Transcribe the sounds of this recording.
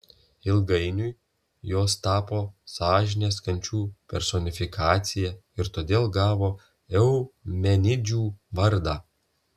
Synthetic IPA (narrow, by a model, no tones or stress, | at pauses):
ɪlˠɡɐɪnʲʊj | joːst̪ɑːpoːsɑːʒʲɪnʲeːskɐnʲt͡ʃʲuːpʲɛɾsɔnʲɪfʲɪkʰɑːt̪sʲɪjɛɪɾt̪oːd̪ʲeːlˠɡɑːʋoː | ɛʊmʲɛnʲɪd͡ʒʲuːʋɐɾd̪ɑː